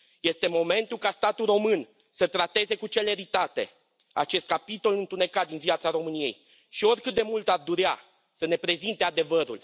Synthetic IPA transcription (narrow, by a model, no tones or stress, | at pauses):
je̞st̪e̞mo̞me̞nt̪ulkast̪at̪uromɨn | sət̪ɾat̪e̞ze̞kut͡ʃe̞le̞ɾit̪at̪e̞̰ | at͡ʃe̞st̪̚kapit̪o̞lɨnt̪une̞kat̪̚d̪inviat̪saɾo̞mɨnije̞̰j | ʃio̞rʲkɨt̪̚d̪e̞mult̪ard̪uɾea | səne̞pɾe̞zint̪e̞ad̪e̞vəɾul